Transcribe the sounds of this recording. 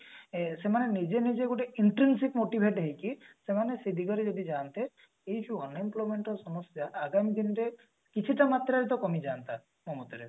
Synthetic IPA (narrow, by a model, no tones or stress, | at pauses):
semanenid͡ʒenid͡ʒeɡoʈeiɳʈɾinsikmoʈibʱeʈɦejkisemanesid̪ʱiɡɔɾed͡ʒɔd̪id͡ʒant̪e | ejd͡ʒuɔnimplomeɳʈɔsɔmɔsjaʔːɡamid̪inɔɾe | kit͡ʃʰiʈamat̪ɾaɾit̪̬ɔkɔmid͡ʒaːnt̪a | mɔmɔt̪ɔɾe